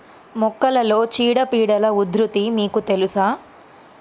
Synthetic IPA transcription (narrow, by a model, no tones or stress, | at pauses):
mɔkːɐlɐlo̞ːt͡ʃiːɽɐpiːɽɐlɐud̪ɾut̪imiːkut̪e̞lusaː